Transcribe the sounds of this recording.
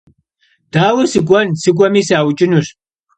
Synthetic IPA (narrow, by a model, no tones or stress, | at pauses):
d̥aːwɨsɨkʷʼɐnsɨkʷʼɐmiːsaːwt͡ʃʼɪnur